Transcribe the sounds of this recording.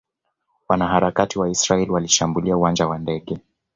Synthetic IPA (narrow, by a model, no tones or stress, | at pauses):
wanahaɾakatiwaisɾaɛliwaliʃambuliauwand͡ʒawandɛɠɛ